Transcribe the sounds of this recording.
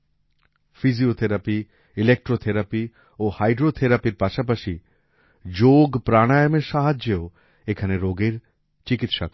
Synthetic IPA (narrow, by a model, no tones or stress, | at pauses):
fiziot̪ʰeɾapi | ilek̚ʈɾot̪ʰeɾapi | ohajɖɾot̪ʰeɾapiɾpaʃapaʃi | d͡ʑoɡpɾaɽ̃ajəmeɾʃaɦad͡ʑeo | ekʰaneɾoɡeɾ | t͡ɕikit̪ʃa̰k